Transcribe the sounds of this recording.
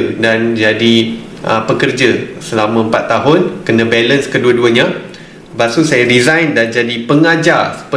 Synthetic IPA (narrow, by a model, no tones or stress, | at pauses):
dand͡ʒadi | ʔəpəkərd͡ʒəsəlamə̃əmpat̪ːaɦʊnkənə̃bɛlənskəduəduəɲã | basusajaɾizajndand͡ʒadipəŋad͡ʒarsə̥pə